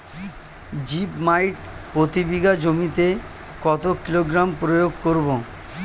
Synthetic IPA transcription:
d͡ʑipmajʈpɾot̪ibiɡad͡ʑomit̪e | kɔt̪okiloɡɾampɾojoɡ̚koɾbo

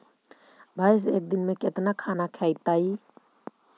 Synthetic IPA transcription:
bʱajs̬ek̚d̪inmeket̪nakʰanakʰɛjt̪ai

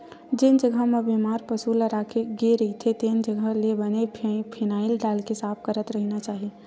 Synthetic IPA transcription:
d͡ʒɪnd͡ʒəɡʱəɦmẽbimaːɾpəsuləɾaːkʰeɡeɾəɦit̪ʰet̪eːnd͡ʒəɡʱəlebənepʰɪnaːɪlɖaːlkesaːp̚ʰkəɾət̪ɾəɦnat͡ʃaːɦie

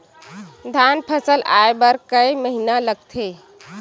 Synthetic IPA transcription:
d̪ʱanpʰəsəlʔa̰ebəɾkəiməɦinaləɡ̚t̪ʰe

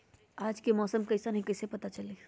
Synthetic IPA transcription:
aːd͡ʒkemɔːsəmkɐɪsanɐɦĩkɐɪsepɐt̪at͡ʃɐleː

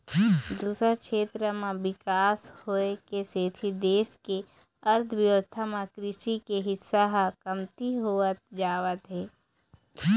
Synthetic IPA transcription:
d̪uːsɾakʃeːt̪ɾəmãʋɪkaːshoːekeseːt̪ʰid̪eːske | əɾt̪ʰəʋjoːt̪ʰːamãkɾɪʃikeɦɪsaɦakəmt̪iɦoət̪̚d͡ʒaːʋət̪ɦɛː

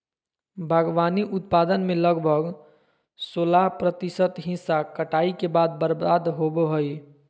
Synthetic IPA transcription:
bʱəɡʋaniʔʊt̪pad̪ənmeləɡbʱəɡ | solapɾət̪isət̪ɦĩsakəʈaikebad̪̚bəɾbad̪ɦobɦoj

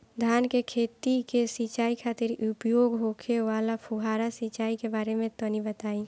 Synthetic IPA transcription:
d̪ʱjaːnkekʰeːt̪ikesit͡ʃaːikʰaːt̪ɪɾʊpjoːɡɦokʰeʋaːlapʰuɦaːɾasit͡ʃaːikebaːɾemẽt̪onibət̪aːĩ

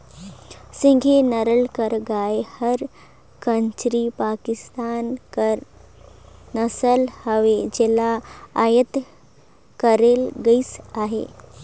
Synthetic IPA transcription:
sĩŋɡʱenəɾəɭkəɾɡajhəɾ | kənt͡ɕɾipakist̪ankəɾ | nəsəlhəʋed͡ʑelaːjət̪ | kəɾelɡəit͡saɦḛ

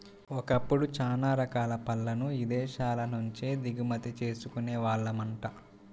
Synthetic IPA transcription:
ɔkɐpːuɽut͡ʃaːnaːɾɐkaːlɐpɐlːɐnuid̪ɛːʃaːlɐnuɲt͡ʃeːd̪iɡumɐt̪it͡ʃe̞ːsukuneːʋaːɭːɐmɐɳʈa

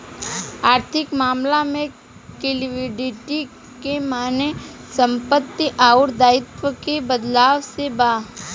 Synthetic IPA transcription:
aːɾt̪ʰɪkmaːmlamẽ | kɪlʋɪɖɪʈi | kemaːnesə̃mpət̪ːiʔaːʊɾd̪aːɪt̪ʋəkebəd̪laːʋsebaː

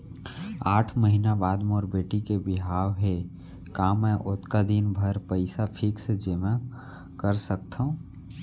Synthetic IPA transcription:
aːʈʰməɦinabaːd̪moːɾbeːʈikebɪɦaːwɦe | kaːmɛ̃ʔʊt̪kad̪inbʱəɾpəɪsapʰɪksd͡ʒemã | kəɾsək̚t̪ʰaũ

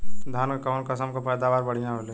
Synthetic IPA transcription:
d̪ʱaːnkkəːnkɐsəmkopɛːd̪aːʋaːɾbəɽ̤ijãɦole

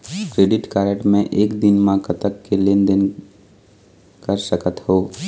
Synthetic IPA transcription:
kɾeːɖɪʈkaːɾəʈmẽʔeːkd̪ɪnmãkɐt̪əkːelend̪ɪn | kəɾsəkət̪hoː

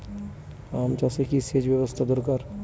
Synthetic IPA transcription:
amt͡ʃasekiseːd͡ʒbjəwəst̪ʰad̪oɾkaːɾ

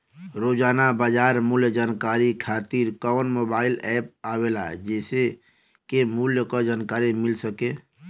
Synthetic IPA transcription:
ɾoːd͡ʒaːnabaːd͡ʒaːɾmʊljəd͡ʒaːnkaːɾikʰaːt̪iːɾkɔːnmoːbaːɪlɛːp̚aːweːla̰d͡ʒɛːse | kemʊljəkad͡ʒaːnkaːɾimɪlsəkẽː

